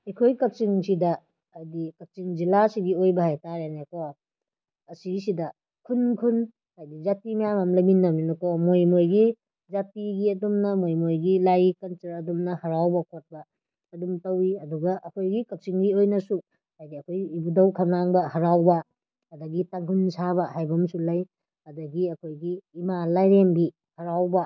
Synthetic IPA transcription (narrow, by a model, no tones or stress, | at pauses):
ikʰojkɐp̚t͡ʃiŋsidɐː | dikɐp̚t͡ʃiŋd͡ʒilasiɡiojbɐhajtaɾeneko | ɐsisidɐ | kʰunkʰun | hajdizatimɐjamamlɐminːɐminukomojmojɡi | zatiɡiɐdumnɐmojmojɡilajkɐnt͡ʃɐɾɐdumnɐhɐɾawbɐkʰot̚bɐː | dumtɐwiɐduɡɐʔɐkʰojɡikɐp̚siŋbiojnɐsu | hajdiɐkʰojibudɐwkʰanaŋbɐhɐɾawbɐ | ɐdɐɡitaŋkʰunsabɐɦajbɐmsulaj | ɐdɐɡiɐkʰojɡiːmalajɾemɡi | hɐɾawbɐ